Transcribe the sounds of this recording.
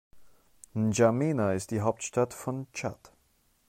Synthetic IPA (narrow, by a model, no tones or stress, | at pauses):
n̩d͡ʒameːnaɪst̚d̥iːɦaʊp̚tʃtatfɔnt͡ʃa̰t